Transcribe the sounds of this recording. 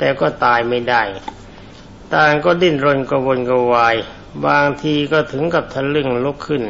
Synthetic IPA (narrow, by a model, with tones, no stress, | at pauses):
t̪ɛː˨˩kɔː˥˩t̪aː˧jma˥˩jda˥˩j | t̪aː˧˩ŋkɔː˥˩di˥˩nɾo˧nka˧˩wo˧nka˧waː˧j | baː˧ŋt̪ʰiː˧kɔː˥˩t̪ʰɯ˩˦ŋka˧˩p̚t̪ʰa˧lɯ˥˩ŋlu˦˥kʰːɯ˥˩n